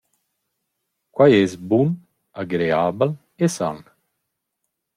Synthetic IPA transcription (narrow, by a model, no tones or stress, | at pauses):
kwajɛzbun | aɡɾeaːbal | esa̰n